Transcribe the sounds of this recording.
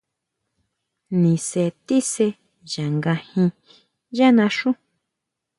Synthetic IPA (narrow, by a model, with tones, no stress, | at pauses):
nĩ˨se˧t̪i˦se˧ | ʒa˨ŋɡã˧hĩ˧ | ja˦nã˧ʂũ˦